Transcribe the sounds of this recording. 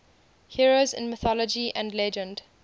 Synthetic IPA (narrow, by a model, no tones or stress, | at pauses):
hiɹozɪ̰̃nmɪθɔləd͡ʒiʔæ̃ndlɛd͡ʒə̃nd